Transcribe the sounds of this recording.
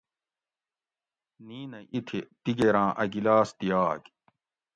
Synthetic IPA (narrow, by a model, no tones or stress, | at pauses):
niːnɐʔit̪ʰit̪iɡeɾãːʔɐɡilaːst̪ijaːk